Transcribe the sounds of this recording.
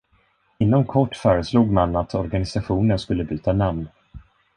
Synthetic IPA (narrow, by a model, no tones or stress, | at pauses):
ɪnːɔmkʰɔʈːfœːɾəsluːɡmanat̪ʰɔɾɡanɪsaɧuːnənskɵlːəbyːt̪anamn